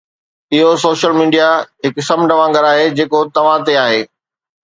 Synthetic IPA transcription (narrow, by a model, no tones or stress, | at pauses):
ɪɦosoːʃəlmiːɖijaɦɪksɐmɖɐʋãːŋɡəɾaːɦed͡ʑeːkot̪ɐʋ̤ãt̪eaːɦeː